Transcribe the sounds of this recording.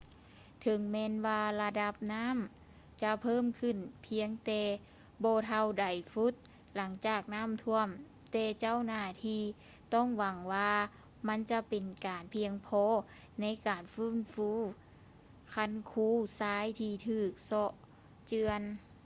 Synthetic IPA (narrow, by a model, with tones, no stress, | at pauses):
t̪ʰɤ˨˧˦ŋmɛː˧nwaː˧la˧da˧˥p̚naː˧˥˨m | t͡ɕa˧pʰɤː˥˨mkʰɯ˧˩˨npʰi˧˥əŋt̪ɛː˧ | bɔː˧t̪ʰa˧˩wda˨˩jfu˧˥t̪̚ | la˨˦ŋt͡ɕaː˧˨˩k̚naː˧˥˨mt̪ʰu˧əm | t̪ɛː˧˩t͡ɕa˧˥˨wnaː˧˩t̪ʰiː˧˥ | t̪ɔ˧˥˩ŋwa˨˩ŋwaː˧ | ma˧˥˨nt͡ɕa˧pe˨nkaː˨˩npʰi˧əŋpʰɔː˧˥ | na˧˥˨jkaː˨˩nfɯː˧˥˨nfuː˧˥ | kʰa˧˥˨nkʰuː˧˥saː˧˥˨jt̪ʰiː˧˩t̪ʰɯː˧˩k̚sɔ˧ʔ | t͡ɕɯ˧ən